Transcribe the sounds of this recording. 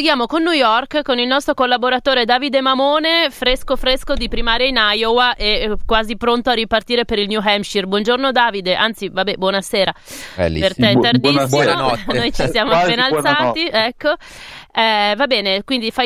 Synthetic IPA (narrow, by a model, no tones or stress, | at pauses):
eɡjaːmokonːujɔrkkonilnɔst̪ɾokolːaboɾat̪oːɾed̪aːvid̪emamoːnefɾeskofɾeskod̪ipɾimaːɾjainajowaʔɛkːwaːzipɾont̪oarːipart̪iːɾepeɾilnjuɦɛmʃirbwɔnd͡ʒornod̪aːvid̪eʔant̪sivabɛbwɔnaseːɾaɛ̰lːḭpert̪ɛard̪isːianɔnnojt͡ʃisjaːmoapenalsaːt̪iɛkʰːo | ɛvabɛːnekwind̪ifa